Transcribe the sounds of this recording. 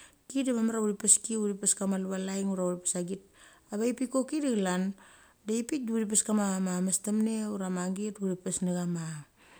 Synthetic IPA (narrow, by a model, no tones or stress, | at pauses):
kidemamaɾauɾipeskiuɾipeskamalβalajŋuɾauɾipesaɡit̚ | aβaipikokidiɡlan | deipit̚diuɾip̬eskamamamastamneuɾamaŋɡetuɾipesneɡama